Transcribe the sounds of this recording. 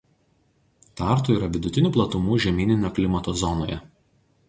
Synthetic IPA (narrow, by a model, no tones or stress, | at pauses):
t̪ɑˑɾˑt̪uːiːɾɐʋʲɪd̪ʊt̪ʲɪnʲuːplˠɐt̪ʊmuːʒʲɛmʲiːnʲɪnʲɛklʲɪmɐt̪oːzɔnoːjɛ